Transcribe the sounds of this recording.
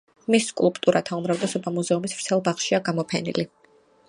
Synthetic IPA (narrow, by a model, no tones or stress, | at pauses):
miskʼṵlˠpʼt̪ʼuɾat̪ʰaumɾavd̪ɛsɔbamuzɛumisv̥ɾt̪sʰɛlˠbaχʃiaɡamɔpʰɛnḭli